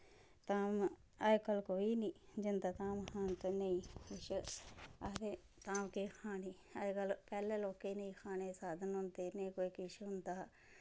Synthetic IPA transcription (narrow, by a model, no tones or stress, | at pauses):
t̪aːm | əd͡ʒkəlkoːiːniːd͡ʒɪnd̪aːt̪aːmhaːnt̪oneĩːkɪʃ | aːd̪eː | t̪aːmkeːkʰaːniː | əkəlpɛːleːloːkeːnəĩːkʰaːneːsaːd̪ənʊ̃nd̪eːneĩkoːiːkɪʃɦʊnd̪aː